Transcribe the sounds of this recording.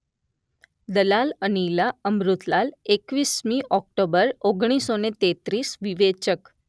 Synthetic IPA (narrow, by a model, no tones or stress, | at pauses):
d̪əlalənilaəmɾut̪lalekʋismiʔɔk̚ʈobəɾoɡɽ̃isonet̪et̪ɾisʋiʋet͡ʃək